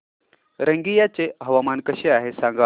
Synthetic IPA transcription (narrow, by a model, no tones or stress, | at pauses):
ɾəŋɡijat͡seɦəʋamankəɕeaɦesãŋɡa